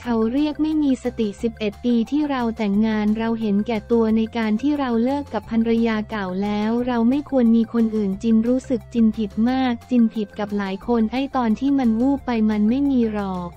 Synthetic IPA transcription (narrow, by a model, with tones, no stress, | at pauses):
kʰa˦˥wɾi˥˩ək̚ma˥˩jmiː˧sa˧t̪i˨˩si˨˩p̚ʔe˨˩t̪̚piː˧t̪ʰiː˥˩ɾa˧wt̪ɛ˨˩ŋːaː˧nɾa˧wɦe˩˦nkɛː˨˩t̪u˧ɐna˧jkaː˧nt̪ʰiː˥˩ɾa˧wlɯ˥˩əkːa˨˩pʰːa˧nɾa˧jaː˧ka˨˩wlɛː˦˥wɾa˧wma˥˩jkʰu˧ənmiː˧kʰo˧nʔɯː˨˩nt͡ɕi˧nɾuː˦˥sɯ˨˩k̚t͡ɕi˧npʰi˨˩t̪̚maː˥˩k̚t͡ɕi˧npʰi˨˩t̪̚ka˨˩p̚laː˩˦jkʰo˧nha˥˩jt̪ɔː˧nt̪ʰiː˥˩ma˧nwuː˥˩pːa˧jma˧nma˥˩jmiː˧ɾɔː˧˩k̚